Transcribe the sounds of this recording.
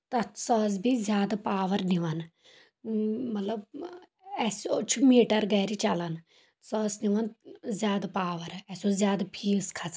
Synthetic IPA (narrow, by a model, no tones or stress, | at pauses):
t̪ɐsɔːzbiːzjaːd̪aːpaːʋəɾnɪʋan | mət̪ləb | ɛːsot͡ʃʰmeːʈəɾɡɛːɾiːt͡ʃalan | sɔːsnɪʋənzjaːd̪aːpaːʋəɾɛːsoːzjaːd̪apʰiːskʰas